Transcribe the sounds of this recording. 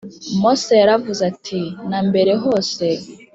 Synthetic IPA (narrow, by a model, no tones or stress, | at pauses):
mosejaɾavuzatʰinaːmbe̞ɾe̞ɦo̞ːse